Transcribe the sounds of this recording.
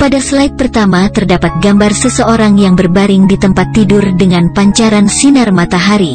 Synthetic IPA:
padaslait̪̚pərt̪amat̪ərdapat̪̚ɡambarsəsəoɾaŋjaŋbərbaɾɪŋdit̪əmpat̪ːidʊrdəŋanpaɲt͡ʃaɾansinarmat̪aɦaɾi

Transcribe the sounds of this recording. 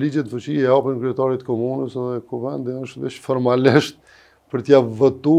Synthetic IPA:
lid͡ʒɛt̪fut͡ɕiɛapɾənkɾiɛt̪aɾit̪kɔmunəsɛðɛkuvɛnd̪iəʃt̪biʃfɔɾmaliʃt̪̚ | pəɾt̪əjavːɛt̪u

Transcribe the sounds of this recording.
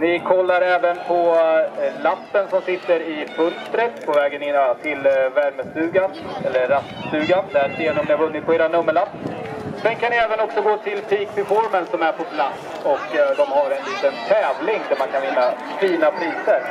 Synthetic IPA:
nɪkʰɔlːaɾɛːvənpʰɔ | lapːənsɔmsɪt̪ːəɾɪfɵlst̪ɾət̪pʰɔvɛːɡənɪnːt̪ʰɪlvæɾməst̪ʉ̟ːɡaɛlːəɾːast̪st̪ʉ̟ːɡand̪æɾseːnɵmnəvɵnːɪt̪̚pʰɔeːɾanɵmːəɭa | sɛnkʰanɪɛːvənɔksɔɡoːt̪ʰɪlpʰiːkpɪfɔɾmənsɔmæɾpʰɔpʰlat̪s | ɔkd̪ɔmhaɾɛnliːt̪ənt̪ʰɛːvlɪŋd̪æɾmankʰanvɪnːa | fiːnapʰɾiːsəɾ

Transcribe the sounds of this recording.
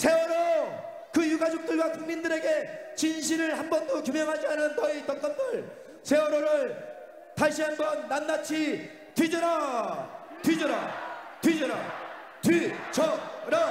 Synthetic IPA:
sʰe̞wʌɾo | kɯjuɡad͡ʑok̚t͈ɯɭɡwakuŋmindɯɾe̞ɡe̞t͡ɕinɕʰiɾɯɭhambʌndokjumjʌŋɦad͡ʑianɯnːʌitʌnk͈ʌndɯɭ | sʰe̞wʌɾoɾɯɭ | taɭɕ͈ʰiɦanbʌnːannat͡ɕʰi | twɥid͡ʑʌɾa | twɥid͡ʑʌɾa̰tɥid͡ʑʌɾa | tɥit͡ɕʌɾa

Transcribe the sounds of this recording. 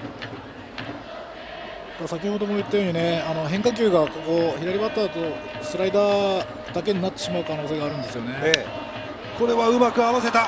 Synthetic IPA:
d̪asakʲiho̞d̪o̞moit̪ːajo̞ɲ̟ine̞ano̞ɦẽ̞ŋkak̬ʲɨːɡako̞ko̞çiɾaɾʲibat̪ːat̪osɨɾaid̪aː | d̪̥ake̞ɲ̟inat̪ːe̞̥ɕimaɯ̟kano̞ːse̞ːɡaːɾɯ̟̃nd̪e̞sɨjo̞ne̞e | ko̞ɾe̞βaɯ̟makɯ̟aβase̞t̪a

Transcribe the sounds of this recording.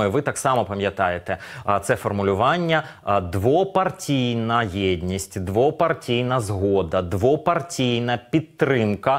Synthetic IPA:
vɨt̪aksamɐpɐmʲjɐt̪ajɛt̪ɛt̪sɛfɐrmʊlʲʊʋanʲːɐ | d̪ʋɔpɐrtʲijnɐjedʲnʲisʲtʲd̪ʋɔpɐrtʲijnɐzɦɔd̪ɐd̪ʋɔpɐrtʲijnɐpʲit̪ːɾɪmkɐ

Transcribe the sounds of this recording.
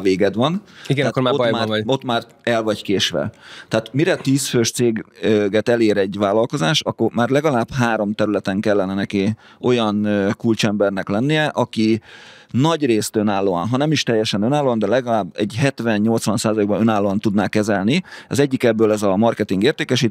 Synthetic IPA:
veːɡɛd̪ʋɒniɡɛakːomaobjmaːo̞t̪maːr | ɛlvɒɟkeːʃʋɛ̰t̪ɛaːt̪miɾɛt̪iːsføʃt̪seːɡøɡɛt̪ɛleːɾɛɟvaːlːɒlko̞zaːʃɒ̰kːormaːrlɛɡɒlaːbhaːɾo̞mt̪ɛɾylɛt̪ɛŋkɛlːɛnɛnɛki | o̞jɒnøkult͡ʃɛmbɛrnɛklɛnːijɛʔɒki | nɒɟreːst̪ønaːlːoːɒ̰nɦɒnɛmiʃt̪ɛjːɛʃɛnønaːlːoːɒnd̪ɛlɛɡɒlaːbːɛ̰ɟɦɛt̪ʋɛnɲo̞lt̪sʋɒnsaːzɒleːɡbɒnønaːlːoːɒnt̪ud̪naːkɛzɛlniɒzɛɟːikɛbːøːlɛzɒmɒrkɛt̪iŋɡeːrt̪eːkɛʃiːt̪

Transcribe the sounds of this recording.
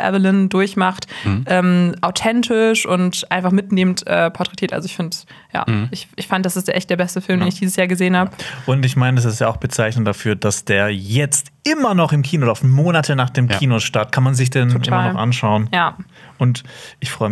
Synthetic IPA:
ʔɛ̰vɪlɪndʊɐçmaχtʔɛːmʔaʊtʰɛntʰɪʃʔʊntʔaɪnfaχmɪtneːməntʔɛːpʰɔtʁɛtʰiːɐʔa̰lzoɪçfɪnd | ja̰ːʔɪçʔɪçfandəd̥asɪstd̥eːɐʔɛ̰çtd̥eɐbɛstəfɪlmdeeːnɪçd̥iːzəsjaːɐɡəzeːənhaːbəʔʊntɪçmaɪnədɛs̬ɪstjaʊxb̥ət͡saɪçnəndafyːɐd̥asd̥eːɐjɛt͡st | ʔɪmɐnɔχɪmkʰiːnoʔːdɐaʊfmoːnatʰənaːχd̥eːmkʰiːnoʃtaɐt̚kʰanmanzɪç̬d̥ɛnʔɪaɐnɔχʔa̰nʃaʊənjaː | ʊntʔɪçfʁ̥ɔʏə

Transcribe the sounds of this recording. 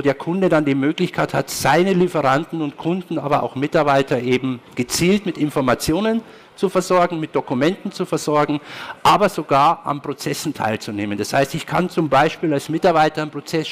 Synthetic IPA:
oːdeːɐkʰʊndədandiːmøːklɪçkʰaɪtha̰tz̥aɪnəlifəʁantn̩ʊntkʰʊndn̩a̰ːbɐʔa̰ʊxmɪtaɐbaɪtɐʔeːbm̩ɡ̥ət͡siːltmɪtɪnfɔɐmat͡sjoːnən | t͡sufɛɐzɔɐɡŋ̩mɪt̚d̥okumɛntn̩t͡sufɛɐzɔɐɡŋ̩ʔaːbɐzoɡaːɐʔa̰npʁ̥ot͡sɛsn̩tʰa̰ɪlt͡suneːmənd̥ashaɪstɪçkʰant͡sʊmbaɪʃpiːlalsmɪtaɐbaɪtɐnpʁ̥ot͡sɛs

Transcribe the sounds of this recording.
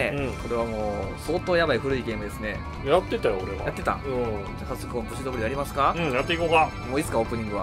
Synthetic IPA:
eɯ̃ko̞ɾe̞βamoːso̞ːt̪oːjabaiɸɯ̟ɾɯ̟iɡe̞ːmɯ̟d̪e̞sɨne̞̰ | jat̪ːet̪ajoɾeɡa̰jat̪ːe̞t̪ã̰ | d͡ʑakasɨkɯkõŋkoɕid̪obɯ̟ɾijaɾʲimasɨ̥kaɯ̃ɴjat̪ːeikoːka | mo̞ːit͡sɨ̥kaoːpɯ̟ɲ̟ĩŋɡɯ̟βa̰

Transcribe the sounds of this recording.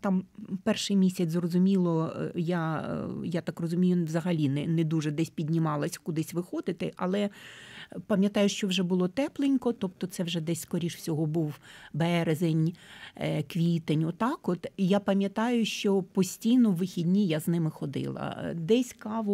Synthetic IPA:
t̪ɑmpɛrʃɪjmʲisʲɐt͡sʲzrɔzʊmʲilˠɔjajat̪ɑkrɔzʊmʲijʊʋzɐɦɐlʲinɛnɛd̪uʒɛd̪ɛsʲpʲidʲnʲimɑlˠɐsʲkʊd̪ɪsʲʋɪxɔd̪ɪt̪ɪʔɐlˠɛ | pɐmʲjɐt̪ɑjʊʃt͡ʃɔwʒɛbʊlˠɔt̪ɛplˠɪnʲkɔt̪ɔpt̪ɔt̪sɛwʒɛd̪ɛsʲskɔɾʲiʃwsʲɔɦɔbuwbɛɾezenʲ | kʋʲit̪enʲʊt̪ɑkɔt̪japɐmʲjɐt̪ɑjʊʃt͡ʃɔpɔsʲtʲijnɔʋɪxʲidʲnʲijaznɪmɪxɔd̪ɪ̰lˠɐ̰d̪ɛsʲkɑʋʊ

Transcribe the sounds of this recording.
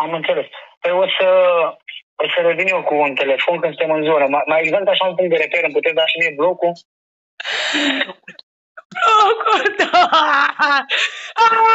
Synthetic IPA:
amɨntsɐlespəjosə | osəɾod̪iniokunt̪elefonkɨnst̪emənzuɾəmamaeɡzant̪aʃampuŋ̚d̪əɾepeɾɨnput̪eɾd̪aʃinebloku | bokod̪a | a

